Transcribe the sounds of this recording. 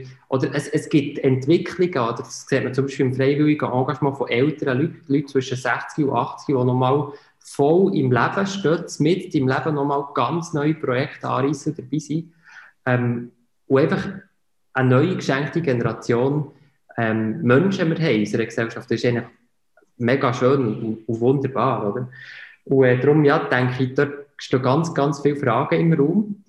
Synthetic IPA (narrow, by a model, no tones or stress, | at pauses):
ʔɔd̪əɾəsəsɡ̥ɪtɛntʋɪkʰχliɡ̥əɔd̪əɾskseːtmət͡sʊmbiʃpɪɪmfɾɛɪʋɪliɡəʔɑ̃ːɡɑʃmɑ̃ːfɔʔɛltəɾəlytlyt̚t͡sʋɵʃəsæχt͡skiṵʔɑχt͡skiʋɔnɔmɑːl | fɔlɪmlæb̥əʃtøːtt͡smɪttɪmlæb̥ənɔmɑːlɡ̥ɑnt͡snœʏipɾɔjɛkχt̪ɑ̰ːɾisəd̥̪əɾb̥iːsi | ɛm | ʊɛɪnfɑχ | ʔənœʏikʃæŋktiɡenɛɾɑt͡sjoːn | ɛmmœnʃəməɾɦɛɪysəɾəksɛwʃɑftɪʃɛɪŋnləχ | mɛɡɑʃøːnuuvʊnd̪əɾb̥ɑːɾɔd̥̪əɾuɛːd̪ɾʊmjɑːt̪æŋkχid̥œtkʃtøːɡɑnt͡sɡ̥ɑnt͡sfɪːwfɾɑːɡ̥əɪmruːm